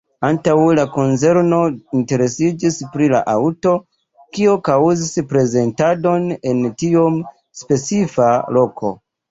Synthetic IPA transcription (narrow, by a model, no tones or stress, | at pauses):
antawlako̞nze̞ɾno̞inte̞ɾe̞sid͡ʒispɾila̰ʔawto̞ | kio̞kauzispɾe̞ze̞ntado̞ne̞ntiom | spe̞t͡sifalo̞kʰo̞̰